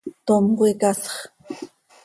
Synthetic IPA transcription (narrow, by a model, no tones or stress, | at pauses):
t̪omqojkasɑ̥χ